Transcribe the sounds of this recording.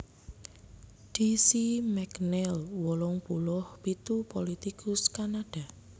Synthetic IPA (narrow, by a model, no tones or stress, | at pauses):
ɖ̥isimɛknɛlwɔlɔŋpulɔhpit̪upolit̪ikʊskanaɖ̥a